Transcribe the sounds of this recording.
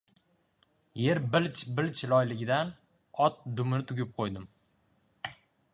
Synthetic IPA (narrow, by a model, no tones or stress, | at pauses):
je̞ɾbɪlt͡ʃbɪlt͡ʃʰlɒjlɪɡʲɪd̪an | ɒt̪̚d̪ʊmnɪt̪ʰʊɡʲɪp̚qʰojd̪ɪm